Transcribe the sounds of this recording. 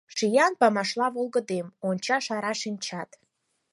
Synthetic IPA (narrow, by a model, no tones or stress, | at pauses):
ʂijanpamaʂlˠavolˠɡədemont͡ʃʰaʂaɾaʂint͡ʃʰatʼ